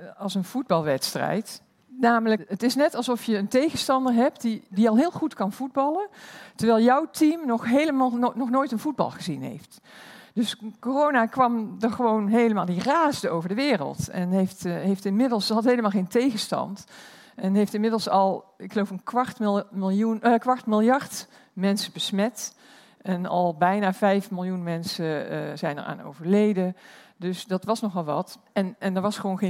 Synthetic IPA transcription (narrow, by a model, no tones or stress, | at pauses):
ɑlˠsənv̥ud̚bɑlˠʋɛtstrɛ̰jt | naːmələətɪsnɛtɑlˠszɔfjəːntejɣənstɑndəɹɦɛp̚tidiɑlˠɦɪːlˠχutkɑnv̥ud̚bɑləntəɹʋɛːlˠjʌwtimnɔχɦejləmnɔχnoːjtənv̥ud̚bɑ̰lˠχəzinɦḛjft | d̥ɵskorownakʋɑmdəɹχəʋownɦejləmaːlˠdiraːzdəowvəɹdəʋɪːrə̰lˠtɛ̰nɦejftɦejftɪnmɪdəl̩ˠsɑlɦejləmalˠχejntejɣəstɑ̰nt | ʔɛnɦejftɪnmɪdəl̩ˠsɑlˠɪkχəlowfənkʋɑrtlˠuəkʋɑɹtmɪlˠjɑɹt | mɛnsəbəsmɛt | ɛnɑ̰lˠbɛjnaːvɛjfmɪlˠjunmɛnsəz̥ɛjnə̰ɹa̰ːno̰wvəɹlejdədɵsdɑtʋɑsnɔχʋɑlˠʋɑ̰t | ɛnɛndəɹʋɑsχəʋownχe